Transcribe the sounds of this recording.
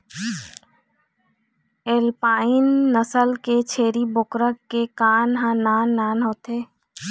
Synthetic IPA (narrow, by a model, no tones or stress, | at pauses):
eːlpaːɪnːəsəlket͡ʃʰeːɾibʊkɾəkːekaːnɦãnaːnːaːnɦoːt̪eː